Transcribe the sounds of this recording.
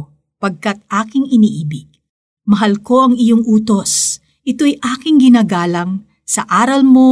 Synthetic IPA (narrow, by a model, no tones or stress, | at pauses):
pɐɡ̚kat̪̚ʔaːkɪŋʔɪniːʔiːbɪɡ̥̚ | mɐɦɐlko̞ʔɐŋɪjoŋʔuːt̪o̞s | ʔɪt̪o̞jʔaːkɪŋɡɪnaːɡaːlɐŋ | sɐʔaːɾɐlmo̞